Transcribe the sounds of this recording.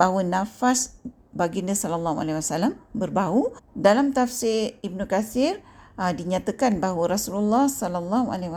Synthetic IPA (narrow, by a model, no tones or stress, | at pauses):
baɦwənafas | baɡinəsɔlalːaɦua̰lɛwasalambərbaudalamt̪afsɪibnukaθɪrdiɲat̪əkanbaɦwəɾasululːɑhsɔlalːaɦua̰lɛw